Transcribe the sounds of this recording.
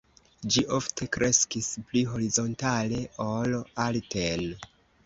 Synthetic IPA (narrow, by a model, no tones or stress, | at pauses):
d͡ʒiʔo̞ftʰe̞kɾʔe̞skispliɦo̞ɾizo̞ntale̞olalten